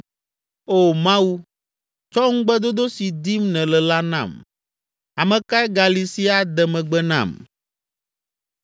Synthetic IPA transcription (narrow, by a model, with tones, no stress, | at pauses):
o˦˨mã˦wu˦ | t͡ʃɔ˦ŋ̩˦ɡ͡bɛ˦d̪o˦d̪o˦si˨d̪i˦mnɛ̃˨lɛ˨la˦nã̰˦˨m | a˨mɛ̃˨ka˦ɛ˦ɡa˨li˨si˦a˨d̪ɛ˨mɛ̃˨ɡ͡bɛ˦nã̰˦˨m